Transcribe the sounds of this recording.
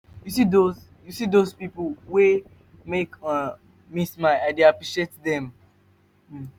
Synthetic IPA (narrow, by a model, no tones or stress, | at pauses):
jusidoz | jusidozpipl̩we | meka | mismaaɪdeapɹiʃietdɛ̃m̩